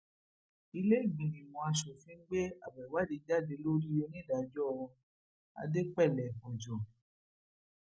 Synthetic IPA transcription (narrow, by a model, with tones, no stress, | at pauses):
i˧le˦i˦˨ɡ͡bĩ˨nĩ˨wɔ̃˧a˧ʃo˨fĩ˦ɡ͡be˦a˨bɛ˨wa˦de˧d͡ʒa˦˨de˧˦lo˦ɾi˦e˧˦nĩ˦˨da˨d͡ʒɔ˦ɔ̃˧ | a̰˧de˦k͡pɛ˦˨lɛ˨fɔ̃˨d͡ʒɔ˨